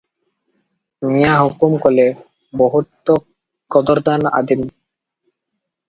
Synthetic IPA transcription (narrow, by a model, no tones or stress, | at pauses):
mijaɦukumkole | bɔɦut̪ːo | kɔd̪oɾd̪ana̰d̪im